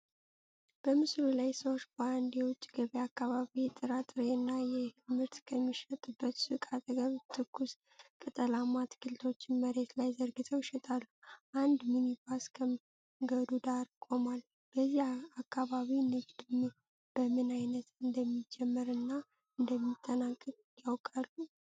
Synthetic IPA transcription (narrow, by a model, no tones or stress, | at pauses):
b̥əmɨslulajsəwʃband̪jɛwʊt͡ʃʼːiɡəβiakːaβaβit̪ʼɨɾat̪ʼɨɾenːajɛmɨɾt̪kʰəmːiʃət̪ʼɨbːət̪sɨkʼat̪ʼəɡəβt̪ʰɨkʰːus | kʼɨt̪ʼəlamat̪kʰɨlt̪ʰo̞t͡ʃːɪnməɾe̞t̪lajzəɾɡɨt̪ʰəwʃɛt̪ʼalːuʔand̪minibaskʰə | ɡəd̪ud̪aɾkʼo̞mal | b̥əzːihakːaβaβinɨd͡ʒd̪ɨm | b̥əmɨnajnət̪ɨnd̪əmːid͡ʒɛmːəɾɨnːa | ɨnd̪əmːit̪ʼːənakʼːɨkʼjawkʼalːu